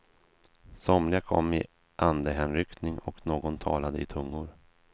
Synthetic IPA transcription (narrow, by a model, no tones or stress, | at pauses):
sɔmlɪakʰɔ̰mːɪ | ʔand̪əɦɛnɾʏkt̪nɪŋɔknoːɡɔnt̪ʰɑ̰ːlad̪əɪt̪ʰɵŋːʊɾ